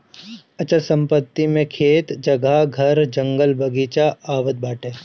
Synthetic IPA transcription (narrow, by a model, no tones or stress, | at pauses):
ɐt͡ʃəlsɐ̃mpət̪ːimẽkʰeːt̪d͡ʒɐɡaɡʱɐɾd͡ʒɐ̃ŋɡəlbʱɐɡiːt͡ʃaaːʋət̪̚baːʈeː